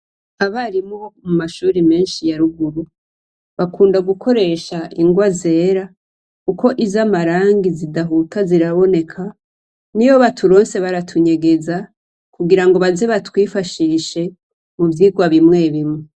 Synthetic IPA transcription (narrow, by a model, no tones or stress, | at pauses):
aβaɾimo̞mumaʃuːɾime̞ːnʃijaɾuɡuɾu | βakuːndaɡukʰo̞ɾe̞ʃaʔiŋɡwaze̞ːɾa | kuko̞ʔizamaɾaːŋɡizidaɦutaziɾaβo̞ne̞kʰa | niβo̞βatʰuɾo̞ːnse̞βaɾatʰuɲe̞ɡe̞za | kuɡiɾaŋɡo̞βaze̞βatwiːfaʃiːʃe̞ | muvjiːɡwaβimŋe̞βimŋe